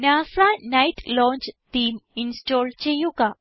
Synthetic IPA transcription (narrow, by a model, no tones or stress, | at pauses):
nãsanaiʈlɔ̃ɲt͡ɕt̪iːminsʈɔlt͡ɕejuka